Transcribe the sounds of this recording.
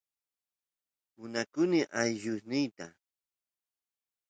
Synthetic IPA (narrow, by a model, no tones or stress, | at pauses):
mʊnakʊnɪʔajʎʊsnɪjt̪a